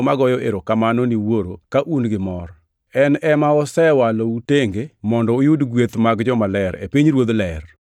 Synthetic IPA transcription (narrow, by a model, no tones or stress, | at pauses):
maɡɔjɔʔeɾokamanɔniwoɾokaʔunɡɪmɔɾ | ɛnɛmaɔsɛwalouteŋɡemɔndɔujudɡwet̪maɡd͡ʒɔmalɛɾḛpiɲɾwod̪lɛr